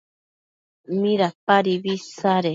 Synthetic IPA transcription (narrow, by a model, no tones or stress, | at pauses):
mĩɾapaɾiβisaɾe